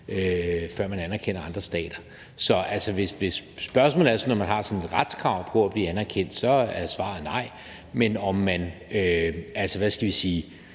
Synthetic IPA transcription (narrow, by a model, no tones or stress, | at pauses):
øfɶɐ̰mænænæɐkʰen̰ɐɑ̈nd̥ʁɐsd̥ɛ̰ːd̥ɐ | sɒ̽ʔælsɒʋe̝sʋe̝sːb̥ɶɐsmɔ̰l̩ˠæɐsɒnɒmænɦɑ̈sɒ̽ne̝d̥ʁad̥skʰʁɑ̈ʊ̰npʰoæb̥liːænæɐkʰen̰d̥sɒ̽æsʋɑ̰̈ð̩ˠnɑ̈ɪ̰ | menɒmːænøælsɒʋæsɡ̥æʋisiː